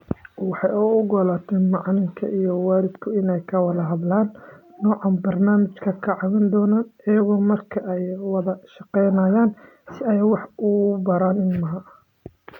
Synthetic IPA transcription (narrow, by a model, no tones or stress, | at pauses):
wɑħɑjʊʊɡɔːlaːt̪ʰɛːnmɑʕnɪŋkʰɐ̰ʔijɔwaːɾɪd̪kʰʊɪnɛjkʰɐwɐðɐɦɐðlaːnːɔːʕɑnbɐrnaːmɪt͡ʃkʰɐkʰɐʕɑβɪnd̪ɔːnaːnɐjɐɣɔːmɐrkʰɐʔɛjwɐðɐʃɑqɛjnaːjaːn | sɪɛjwɑħʊbɐɾaːnɪnmɐɦɐ